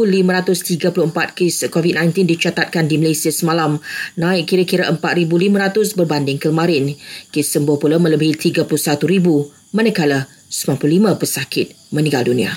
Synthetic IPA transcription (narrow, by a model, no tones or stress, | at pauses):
ulimə̃ɾat̪ʊst̪iɡapulʊhəmpat̪̚keskɔvit̚nãjnt̪indit͡ʃat̪at̪̚kandiməlesiasəmalamnãɪʔ̚kiɾəkiɾaʔəmpat̪̚ribulimãɾat̪ʊsbərbandɪŋkəmãɾɪnkesəmbuahpulamə̃ləbəɦit̪iɡapulʊhsat̪uɾibu | mãnakala | səmãplʊhlimə̃pəsakɪt̪̚ | mə̃nĩŋɡa̰ldunĩa̰